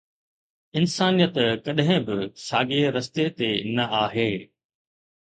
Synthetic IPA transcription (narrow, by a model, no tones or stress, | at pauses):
ɪnsaːnijət̪kɐɗɦɪ̃bɪsaːɡeɾɐst̪et̪enɐʔaːɦeː